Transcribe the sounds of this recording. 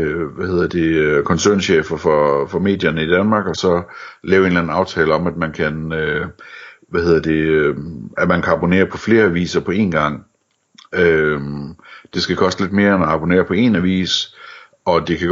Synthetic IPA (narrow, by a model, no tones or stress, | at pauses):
ʋæhe̝ð̰ˠɐd̥e̝kʰɒ̽nsøɐnɕḛːfɐfɒfɒ̽me̝̰ːd̥jɐnəid̥ænmɑ̈ːɡ̥ɒ̽sɒ̽lɛːʊe̝nlæn̩ɑ̈ʊt͡sʰɛːləɒ̽mæd̥̚mænkʰænø | ʋæhe̝ð̰ˠɐd̥e̝ | æd̥mænkʰæɑ̈bo̝ne̝̰ːɐpʰɒ̽fle̝ːɐæʋḭːsɐpʰɒ̽e̝̰ːnɡ̥ɑ̈ŋ̰ | ø | d̥e̝sɡ̥ækʰɒ̽sd̥əle̝d̥̚me̝ːɐenɒɑ̈b̥o̝ne̝̰ːɐpʰɒ̽e̝næʋḭːs | ɒ̽d̥e̝kʰæ̥